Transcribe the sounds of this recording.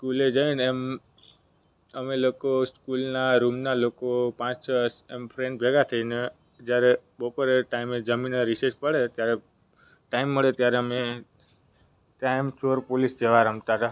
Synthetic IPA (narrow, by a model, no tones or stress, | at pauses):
skuled͡ʒəinem | əmelokoskulnaɾumnalokopãt͡ʃt͡ʃʰəsempʰɾẽɳɖbʱeɡat̪ʰəine | d͡ʒjaɾeɓopəɾeʈaimed͡ʒəminəɾisəɾt͡ʃpəɽet̪jaɾe | ʈaimːəɭet̪jaɾeəme | ʈ̪aimt͡ʃoɾpolisd͡ʒeʋaɾəmt̪aɾa